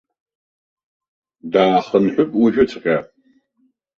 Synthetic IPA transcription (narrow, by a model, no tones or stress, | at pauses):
daːχənħʷʊpʼwʊʒᶣɪt͡sʰʼqʲʼaːp